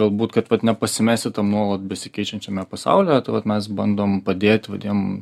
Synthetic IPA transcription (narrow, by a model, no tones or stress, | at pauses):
ɡɐlˠbuːt̪kɐt̪ʋɐt̪nʲɛpɐsʲɪmʲæːsʲɪt̪ɐmnuɔlˠɐt̪̚bʲɛsʲɪkʲɛɪt͡ʃʲɛnʲt͡ʃʲɛmʲɛpɐsɑ̰ʊlʲɛjɛt̪ɐɪʋɐt̪mʲɛs̬bɐnd̪oːmpɐd̪ʲeːt̪ʲʋɐd̪ʲinom